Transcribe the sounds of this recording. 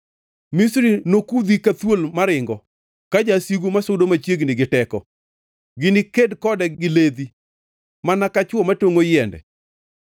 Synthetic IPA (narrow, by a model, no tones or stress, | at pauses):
misɾinokud̪ikat̪wolmaɾɪŋɡɔ | kad͡ʒasiɡumasʊdomat͡ʃjeɡnɪɡɪtɛkɔ | ɡɪnɪkedkɔdɛɡɪled̪i | manakat͡ʃwɔmatoŋojɛndɛ̰